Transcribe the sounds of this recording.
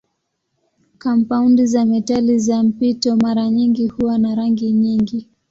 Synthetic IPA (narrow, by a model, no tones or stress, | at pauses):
kampaundizamɛtalizam̩pitɔmaɾaɲiŋɡihuwanaɾaŋɡiɲiŋɡi